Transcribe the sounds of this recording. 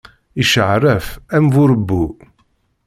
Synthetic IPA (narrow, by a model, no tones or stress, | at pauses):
iʃəʕrːəfæmvʊɾəbːu